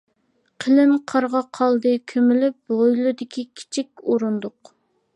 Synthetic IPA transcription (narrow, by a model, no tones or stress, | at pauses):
qʰəlɪmqʰɑɾʁɑqʰɑlˠd̪ɨkʲʰømɪlɪp̚ojlˠɨd̪ɪkʲʰikʲʰi̥t͡ʃʰikʲoɾund̪ʊq